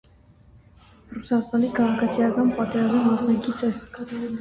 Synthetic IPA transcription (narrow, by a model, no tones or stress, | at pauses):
rusɑst̪ɑnikʰɑʁɑkʰɑt͡sʰijɑkɑnpɑt̪ɛɾɑzmimɑsnɑɡit͡sʰɛ